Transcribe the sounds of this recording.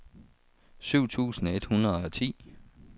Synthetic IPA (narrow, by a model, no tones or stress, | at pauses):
syʊ̰t͡sʰṵːsn̩e̝d̥hunɐðˠɒt͡sʰḭː